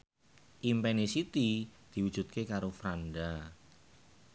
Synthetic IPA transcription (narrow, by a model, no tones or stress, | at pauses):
ʔimpɛnisit̪id̪̥i̤wud̥ʒ̥ṳt̪̚kekaɾofɾanɖa